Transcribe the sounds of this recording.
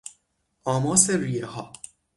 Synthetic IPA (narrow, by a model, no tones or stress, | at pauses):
ʔɒːmɒːseɾijehɒː